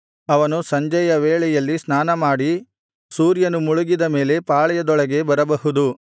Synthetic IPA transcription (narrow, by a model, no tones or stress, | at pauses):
ɐʋɐnusɐɲd͡ʒɐjɐʋeːɭɛjɐlːisnaːnɐmaːɽi | suːɾjɐnumuɭuɡid̪ɐme̞ːle̞paːɭɐjɐd̪ɔɭɐɡe̞bɐɾɐbɐɦud̪u